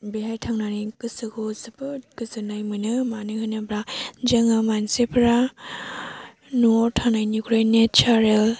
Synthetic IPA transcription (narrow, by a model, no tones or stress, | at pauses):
beɦajtʰaŋnanikɯsɯɡʰozɯpɯtkɯsɯnajmɯnɯmanɯhɯjnɯbɾad͡ʒɐŋɯmansepʰɾa | noɾtʰanajnikuɾajnet͡ʃaɾel